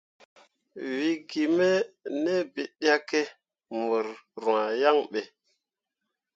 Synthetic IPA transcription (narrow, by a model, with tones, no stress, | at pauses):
wi˨ɡi˨me˦ne˦bi˨ɗa˦ke˦ | mo˨ɾɾu˨a˨ja˦ŋɓe˨